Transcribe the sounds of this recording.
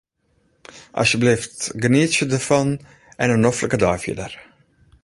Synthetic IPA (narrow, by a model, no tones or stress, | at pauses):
ʔɑ̰sjəblɪftɡəniːtsədəfɑn | ɛnənɔfləkədɑːfḭdər